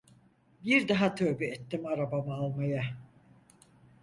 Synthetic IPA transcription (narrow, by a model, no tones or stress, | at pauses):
biɾd̪aɦat̪ʰøːbyɛt̪ːimaɾabamaalˠmaja